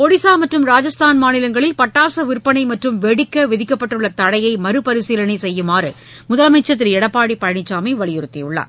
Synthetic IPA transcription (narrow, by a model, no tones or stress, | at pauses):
pɔɽɪsaːmɐʈrɯmɾaːd͡ʒɐst̪ʰaːnmaːnɪlɐŋɡɐɭɪlpɐʈːaːsɐʋɪɾpːɐnɐɪmɐʈrɯmʋɛɽɪkːɐʋɪðɪkːɐpːɐʈːɯɭːɐt̪ɐɽɐjɐɪmɐɾɯpɐɾɪsilɐnɐɪsɛjːɯmaːɾɯ | mʊðɐlɐmɐɪt͡ʃːɐt̪̬ːɪɾɛɽɐpːaːɽipɐɻɐɳɪt͡ʃːaːmɐɪʋɐɭɪjɪɾɯt̪ːɪjʊɭːa̰ːɾ